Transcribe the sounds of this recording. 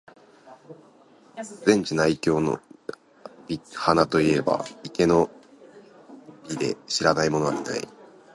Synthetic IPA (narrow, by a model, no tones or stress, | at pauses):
zẽ̞ɲ̟t͡ɕinaikʲo̞ːno̰ | bʲihanat̪o̞ie̞ba̰ike̞no̞ | bʲid̪e̞̰ɕiɾanaimo̞noad̪ena̰ḭ